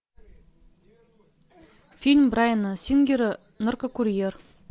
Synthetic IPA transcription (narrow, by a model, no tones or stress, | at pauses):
fʲilʲmbrajnəsʲinɡʲiɾə | nŏrkəkuɾʲijer